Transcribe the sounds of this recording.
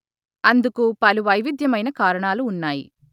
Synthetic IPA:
ɐnd̪ukupɐluʋɐjʋid̪ʱjɐmɐjnɐkaːɾɐɳaːluːnːaːjḭ

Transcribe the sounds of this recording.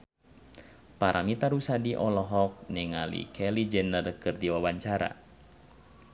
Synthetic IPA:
paɾʔamit̪aɾusadiʔɔlɔɦɔk̚nɛŋalḭkʰɛlid͡ʒənːadəkɨrdiwawaɲt͡ʃaɾa̰

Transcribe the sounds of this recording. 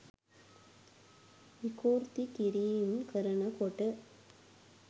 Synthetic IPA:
ɪkːuːɾt̪ikɪɾimkɐɾɐnɐkoʈːɯ

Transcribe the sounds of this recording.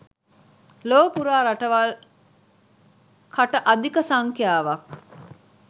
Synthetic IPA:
loːpuɾaːɾaʈəʋal | kʰaʈəʔad̪ikəsaŋkjaːʋak̚

